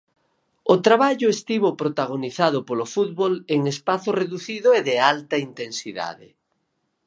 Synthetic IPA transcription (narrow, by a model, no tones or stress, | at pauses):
ot̪ɾaβaʎʊest̪iβopɾot̪aɣ̞oniθað̞ʊpolofut̪̚βoleŋespaθoreðuθiðʊeðɪalt̪ɐint̪ensiða̰ðɪ̰